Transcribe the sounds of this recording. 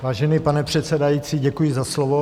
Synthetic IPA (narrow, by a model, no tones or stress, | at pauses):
vaːʒɛnipanɛpr̝̥ɛt̪t͡sɛdajit͡siːɟɛkujɪzaslovo